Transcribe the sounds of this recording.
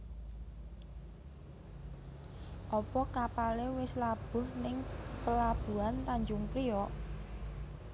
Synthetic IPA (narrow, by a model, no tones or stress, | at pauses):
ʔɔpɔkapalewɪslab̥ʊ̤hnɪŋpəlab̥ṳant̪aɲd͡ʒʊŋpɾiɔʔ